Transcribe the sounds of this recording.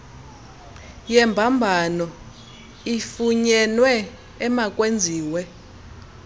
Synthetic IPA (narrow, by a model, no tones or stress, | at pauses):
jɛmbʱambʱanɔ | ifuɲɛnwɛː | mak̬ʼwend͡zʱiːwɛ